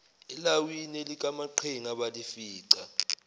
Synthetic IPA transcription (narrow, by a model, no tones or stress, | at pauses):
ɛlawinelik̬ʼamaǃʰeŋaɓalifiːǀa